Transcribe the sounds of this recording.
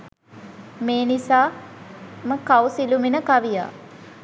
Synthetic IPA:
meːnisaː | məkawsiluminəkaʋija̰ː

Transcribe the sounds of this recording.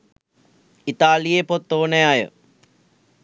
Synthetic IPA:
it̪aːlijepot̪ːoːnejajə̰

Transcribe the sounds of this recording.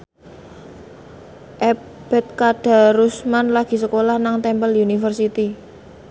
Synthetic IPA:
ʔɛ | b̥ɛ̤t̪̚kaɖ̥a̤ɾusmanlaɡ̥i̤səkolahnaŋt̪ɛmpəlunifərsit̪i

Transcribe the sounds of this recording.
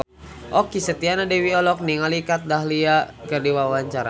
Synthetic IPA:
ʔɔkisət̪ianadɛwiɔlɔk̚niŋalikat̪̚daɦliakɨrdiwawaɲt͡ʃaɾa

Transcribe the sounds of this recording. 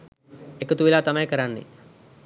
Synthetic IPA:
ekət̪uʋilaːt̪amɐjkəɾanːḛ

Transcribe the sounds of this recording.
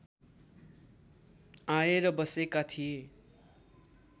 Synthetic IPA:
ãeɾʌbʌsekat̪ʰije

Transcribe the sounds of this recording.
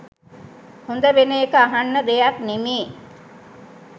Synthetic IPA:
hond̪əʋenejekəaɦanːəd̪ejak̪nemeː

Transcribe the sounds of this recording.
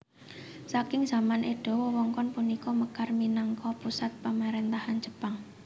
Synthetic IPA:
sakɪŋz̥a̤manʔeɖ̥ɔ̤wɔwɔŋkɔnpunikɔməkarminaŋkɔpusat̪̚pamaɾent̪ahan̥d͡ʒ̥əpaŋ

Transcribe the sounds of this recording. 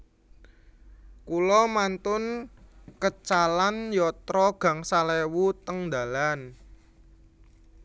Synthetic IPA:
kulɔmant̪ʊnkət͡ʃalanjɔt̪ɾɔɡ̥a̤ŋsalewut̪əŋd̪a̤lan

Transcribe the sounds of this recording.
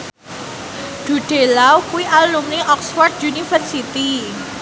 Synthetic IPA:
ɖ̥ṳɖ̥e̤lawkuwiʔallumniʔɔksfɔrt̪̚junifərsit̪i

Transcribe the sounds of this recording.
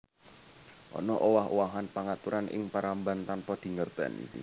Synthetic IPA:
ʔɔ̰nɔʔowaɦowaɦanpaŋat̪uɾanʔɪ̰ŋpaɾambant̪anpɔd̪̥i̤ŋərd̪̥a̤̰nḭḭ

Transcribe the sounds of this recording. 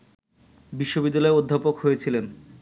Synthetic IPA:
biʃːobid̪ːalɔeod̪ʱːapokɦojet͡ɕʰilen

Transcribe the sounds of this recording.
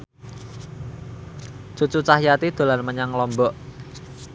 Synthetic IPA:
t͡ʃut͡ʃut͡ʃahjat̪id̪̥o̤larməɲaŋlɔmbɔʔ

